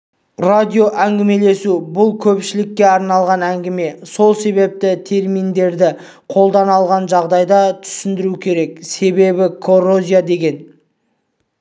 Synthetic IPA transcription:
rad̪ʲijo̞ʔæŋɡʲɪme̞le̞subʊlˠkʲʰɵpʃɪlɪkʲːe̞ɑɾnɑlˠʁɑnæŋɡʲɪme̞so̞lˠse̞βe̞p̚t̪ɪt̪ʰe̞ɾmijnd̪e̞ɾd̪ɪ | qʰo̞lˠd̪ɑnɑlˠʁɑnʒɑʁd̪ɑjd̪ɑt̪ʰʏ̥sɪnd̪ɪɾukʲʰe̞ɾe̞kse̞be̞bɪkʰo̞ro̞zʲijad̪e̞ɡʲe̞n

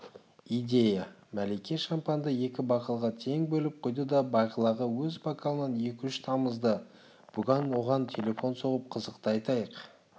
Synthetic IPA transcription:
ijd̪ʲe̞jɑmælejkʲe̞ʃɑmpɑnd̪əje̞kʲɪbɑqəlˠʁɑt̪ʰe̞ŋbɵlɪp̚qʰojd̪əd̪ɑbɑjqəlˠɑʁəwɵzbokʰalˠnɑnje̞kʲɪʏʃt̪ʰɑməzd̪ə | b̥ʊɡʲɑnwo̞ʁɑnt̪ʲʰe̞le̞fo̞nso̞ʁəp̚qʰəzəqt̪əɑjt̪ɑjəq

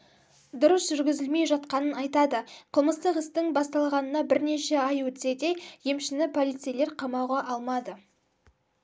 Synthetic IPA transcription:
d̪ʊɾəsʒ̥ʏɾɡʲɪzɪlme̞jʒɑt̪̚qɑnənɑjt̪ɑd̪əqʰəlˠməst̪əqɪst̪ɪŋbɑst̪ɑlˠʁɑnənɑbɪɾne̞ʃe̞ɑjwɵt̪se̞d̪e̞jje̞mʃɪnɪpʰo̞lˠijt̪sejle̞ɾqʰɑmɑwʁɑʔɑlˠmɑd̪ə

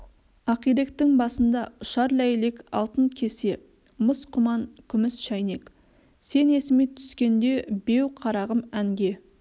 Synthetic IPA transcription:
ɑqijɾekt̪ːɪŋbɑsənd̪ɑʊʃɑɾlæjle̞kɑ̰lˠt̪əɴkʲʰe̞se̞ | məsqʰʊmɑɴkʲʰʏmɪsʃɑjne̞k | se̞ne̞sɪmet̪ʰʏ̥skʲe̞nd̪e̞be̞wqʰɑɾɑʁəmæŋɡʲe̞

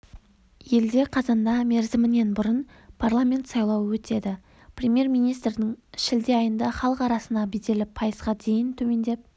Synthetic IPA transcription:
je̞ld̪e̞qʰɑzɑnd̪ɑme̞ɾzɪmɪne̞nbʊɾən | pʰarlˠamʲe̞nt̪sɑjlˠɑwwɵt̪e̞d̪ɪ | prʲe̞mʲje̞ɾmijnijst̪ɾd̪ɪŋʃɪld̪e̞ɑjənd̪ɑχɑlˠəqɑɾɑsənɑbed̪e̞lɪpʰɑjəzʁɑd̪e̞jɪnt̪ʰɵme̞nd̪e̞p̚

